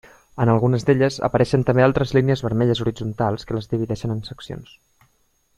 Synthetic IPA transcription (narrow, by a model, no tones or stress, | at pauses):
ənəlˠɣunəzðeʎəzə̰pəɾɛʃənt̪əmbealˠt̪ɾəzliniəzβəɾmɛʎəzuɾid͡zunt̪alˠskələzðiβ̞iðɛʃənənsəksio̰ns